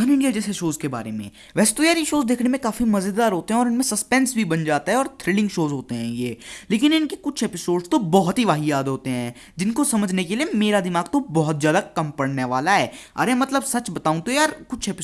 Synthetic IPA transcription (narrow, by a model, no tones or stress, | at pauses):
ɐnɪ̃ɳɖiad͡ʒɛːseʃoːzkeba̰ːɾemḛ̃ | ʋɛːse̥t̪ojaːɾjeʃoːzd̪eːkʰnemẽkaːfimɐzəd̪ːaːɾɦoːt̪eɦɛ̃ɔːɾɪnmẽsɐspɛ̃ːnsbʱibɐnd͡ʒaːt̪aɦɛ̃ɔːɾt̪ʰɾɪlɪ̃ŋɡʃoːzɦoːt̪eɦɛ̃jeːleːk̬ɪnɪnkekʊt͡ʃʰeːpɪsoːɖst̪obɔɦʊt̪ɦiʋaːɦijaːd̪ɦoːt̪eɦɛ̃ | d͡ʒɪnkosɐməd͡ʒʱnekeliemeːɾad̪ɪmaːɡt̪obɔɦʊt̪̚zjaːd̪akɐmpɐɽneʋa̰ːlaɦɛːɐ̰ːɾemɐt̪ləbsɐt͡ʃbɐt̪aːũt̪ojaːɾkʊt͡ʃʰeːpɪ